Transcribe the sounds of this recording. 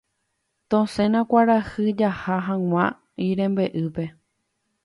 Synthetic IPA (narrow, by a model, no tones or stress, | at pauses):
t̪õsẽ̞nãkʷaɾahɨd͡ʒahaɦãw̃ʷã | iɾẽ̞mbe̞ʔɨpe̞